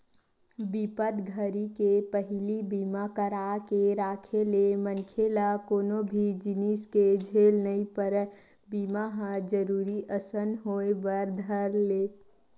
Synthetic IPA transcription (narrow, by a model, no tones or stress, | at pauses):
bipət̪ɡʱəɾikepəɦɪlibiːmakəɾaːkeɾaːkʰelemənkʰelakoːnobʱid͡ʒɪnisked͡ʒʱeːlnəĩpəɾ | biːmaɦãd͡ʒəɾuːɾiʔəsənɦoebəɾd̪ʱəɾleː